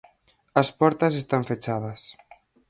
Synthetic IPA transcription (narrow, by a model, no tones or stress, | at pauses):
ɐspɔɾt̪ɐzest̪aɱfet͡ʃað̞ɐs